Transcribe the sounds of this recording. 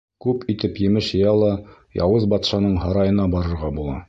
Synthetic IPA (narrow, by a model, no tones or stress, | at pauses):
kʉpit̪ɘpjɘ̆mɘʃɤ̆jɑlˠɑ | jɒ̰wɤzbɒt̪ʃɑnɤɴhɑɾɑjɤ̆nɑbɒɾɤ̆ɾʁɑbulˠɑ̰